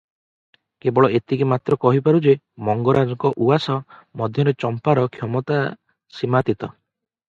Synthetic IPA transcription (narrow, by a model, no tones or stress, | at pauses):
kebɔɭɔet̪ikimat̪ɾɔkɔɦipaɾud͡ʒe | mɔŋɡɔɾad͡ʒɔkɔʔuasɔmɔd̪ʱjɔɾet͡ʃɔmpaɾɔkʰjɔmɔt̪a | simat̪it̪ɔ